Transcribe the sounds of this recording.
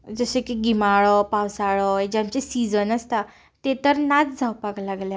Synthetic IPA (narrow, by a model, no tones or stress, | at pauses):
d͡zəsekiɡimaɭɔpawsaɭɔed͡ʑamt͡ɕesid͡zənəst̪a | t̪et̪əɾnat͡sd͡zʱawpaklaɡlja